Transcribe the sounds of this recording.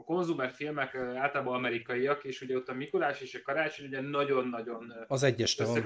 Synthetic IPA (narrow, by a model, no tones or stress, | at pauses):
ɒko̞nzumɛrfilmɛkaːlt̪ɒlaːboɒmɛɾikɒiɒkeːʃuɟɛot̪ːɒmikulaːʃeːʃɒkɒɾaːt͡ʃoɲuɟɛnɒɟo̞nːɒɟo̞nɒzɛɟːɛʃt̪